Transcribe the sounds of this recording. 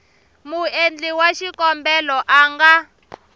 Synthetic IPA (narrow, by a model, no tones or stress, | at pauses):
muend͡ɮiwaʃikɔmbɛlɔʔaːŋɡa